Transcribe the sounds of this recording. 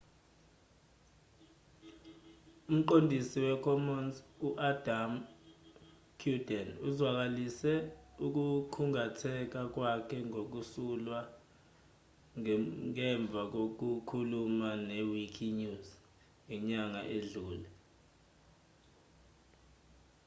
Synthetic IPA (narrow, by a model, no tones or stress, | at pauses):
um̩ǃondʱisiwɛkʰɔmɔnzuʔad̥ʱam | kʰjudɛnuzwak̬alisɛuk̬ukʰuŋatʰɛk̬ak̬wakʰɛŋok̬usulwa | ŋɛɱb̪vʱak̬ok̬ukʰulumanewikʰiɲuz | ŋɛɲaŋaʔeɮuːlɛ